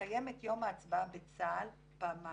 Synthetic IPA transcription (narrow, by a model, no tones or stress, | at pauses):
aje̞metjo̞maːt͡sbabet͡sal | pama